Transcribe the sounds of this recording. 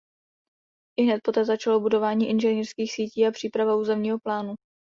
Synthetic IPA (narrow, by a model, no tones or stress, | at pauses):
ɪɦnɛt̪̚po̞t̪ɛːzat͡ʃalobudo̞vaːɲiːʔɪnʒɛniːrskiːxsiːciːapr̥iːpɾavauːzɛmɲiːɦo̞plaːnu